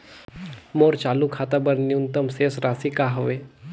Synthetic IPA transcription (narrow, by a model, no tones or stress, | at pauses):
moːɾt͡ʃaːlukʰaːt̪abəɾniʊnt̪əmseːsɾaːsikaːɦoʋeː